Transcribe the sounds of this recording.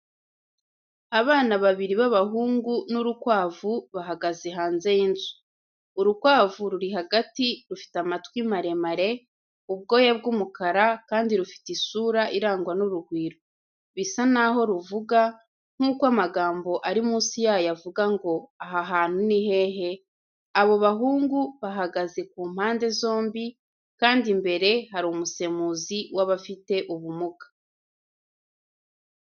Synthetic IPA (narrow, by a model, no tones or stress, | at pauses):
aβaːnaβaβiɾiβaβaɦuːŋɡunuɾukwaːvuβaɦaɡazeɦaːnze̞jinzu̥ | uɾukwaːvuɾuɾiɦaɡatiɾufi̥tamatkwimaɾe̞maɾe̞ | ub̚ɡo̞ːjabɡumukaɾakaːndiɾufi̥tisuːɾaʔiɾaːŋɡwanuɾuɡwiːɾo | βisanaɦo̞ɾuvuɡa | ŋ̥uːkoamaɡaːmbo̞ʔaɾimuːsijaːjavuɡaŋɡo̞aɦaɦaːn̥huniɦe̞ːɦe̞ | aβo̞βaɦuːŋɡuβaɦaɡaze̞k̚uːm̥haːnde̞zo̞ːmbi | kaːndimbe̞ɾe̞haɾumuse̞muziwaβafite̞ʔuβumukḁ